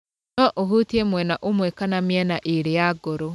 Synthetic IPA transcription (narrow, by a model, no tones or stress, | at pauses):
nɔʔoɦutiemwɛnaʔomwɛkanamjɛnaʔeɾejaɡoɾo